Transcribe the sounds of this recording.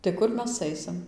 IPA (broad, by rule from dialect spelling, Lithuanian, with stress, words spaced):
tɐɪ ˈkʊr ˈmʲɛs ˈɐɪsʲɪm